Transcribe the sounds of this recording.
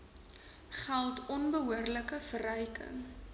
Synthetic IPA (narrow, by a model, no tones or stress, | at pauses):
χælˠtʰɔnbəɦuərləkəfəɾœjkʰə̰ŋ